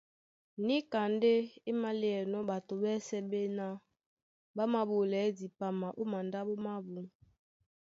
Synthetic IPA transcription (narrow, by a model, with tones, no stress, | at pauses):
ni˦ka˨nde˦e˦ma˦li˦ɛ˨nɔ˦ɓa˨to˨bɛ˦sɛ˦be˦na˦ | ba˦ma˨bo˨lɛ˨˦di˨pa˨ma˨ʔo˦ma˨nda˦ɓo˦ma˦bu˨ŋ